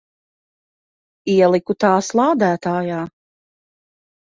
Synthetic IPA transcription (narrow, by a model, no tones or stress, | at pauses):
iɛlˠikut̪aːslˠaːd̪æːt̪aːjaː